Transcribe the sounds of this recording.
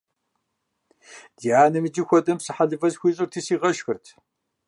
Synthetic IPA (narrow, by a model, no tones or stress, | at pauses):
d̥iaːnɨmɨd͡ʒɪxʷɔdɐmsɨħaɮɨvɐzxʷiːɕʼʊrtʰiːsiːʁɐʃxɨrtʰ